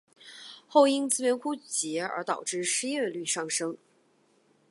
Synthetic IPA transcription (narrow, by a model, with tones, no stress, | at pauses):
xo˥˩ʊi˥ŋt͡sɹ̩˥ɥɛ˧˥nkʰu˥t͡ɕjɛ˧˥ə̰˞˧˥t̪ɑ˨˩ʊʈ͡ʂɻ̩˥˩ʂɻ̩˥jɛ˥˧ly˥˧ʂɑ˥˩ŋʂɤ˥ŋ